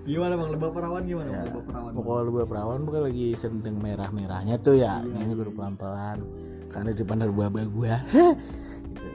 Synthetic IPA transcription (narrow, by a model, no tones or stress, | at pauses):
ɡimanemaŋləbahpəɾawanɡimanjabapəɾawapokoləbuahpəɾawanbukanlaɡisənt̪ɪŋmeɾahmeɾa̰hɲat̪ʊjanaɲabərpəlanpəlan | karnadəpanərbuahbaɡua | it̪u